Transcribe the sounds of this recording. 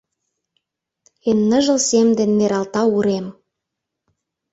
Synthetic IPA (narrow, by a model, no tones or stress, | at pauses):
enːə̆ʒə̆lsemd̪enmeɾɑlt̪ɑuɾem